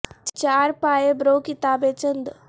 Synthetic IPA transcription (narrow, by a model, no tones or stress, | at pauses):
t͡ɕaɾpaːjebɾokit̪aːbet͡ɕənd̪